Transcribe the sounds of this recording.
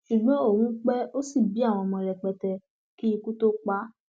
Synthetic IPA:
ʃu˨ɡ͡bɔ̃˨˦o˦˨hũ˨˦k͡pɛ˦o˦si˦˨bi˨˦a˦˨w̃ɔ̃˧mɔ̃˧ɾɛ˨k͡pɛ˧tɛ˧ | ki˦i˧ku˦to˦k͡pa˦

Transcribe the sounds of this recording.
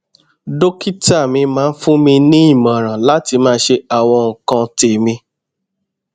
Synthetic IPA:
do˦ki˦ta˦˨mĩ˧mãː˨˦n̩˦fũ˦mĩ˧nĩ˦i˦˨mã˨ɾ̃ã˨la˦ti˧mãː˦ʃe˧a˨w̃ɔ̃˧ŋ̩˨kã˧te˨mĩ˧

